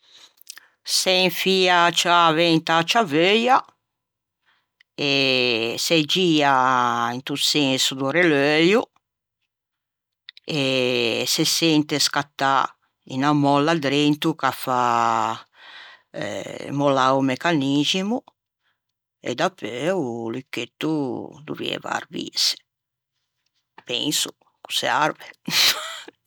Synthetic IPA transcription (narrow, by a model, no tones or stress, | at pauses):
sɛɱfiːat͡ʃavɛnt̪at͡ʃavøja | esɛd͡ʒiːaint̪ut̪sɛnsud̪uɾeløju | esesɛnt̪eskat̪ːa | ḭnamɔlːad̪ɾent̪ukafa | molaumekanid͡ʒimu | ḛd̪apːøulikːet̪ːud̪ṵvḭɛ̰va̰ɾvḭs | pɛ̰nsu | ku̥seaɾve